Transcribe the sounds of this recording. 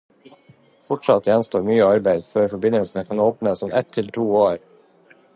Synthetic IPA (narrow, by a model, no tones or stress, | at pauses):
fɔʈʂɑt̪ʰːjɛnst̪oːɾmyːəɑɾbæɪd̪føːɾfɔbɪnəlsənəkʰɑnoːpnəsɔmʔɛt̪ʰːɪlt̪ʰuːoːɾ